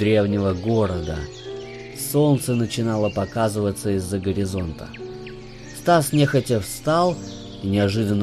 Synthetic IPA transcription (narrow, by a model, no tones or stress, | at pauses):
ɾʲe̞vnʲɪvəɡo̞ɾəd̪ə̰ | sont̪sənət͡ɕɪnalˠəpɐkazɨvət̪səɪzːəɡəɾʲɪzo̞nt̪ə̰ | st̪asnʲexətʲəfst̪alˠ | inʲɪɐʐɨd̪ənː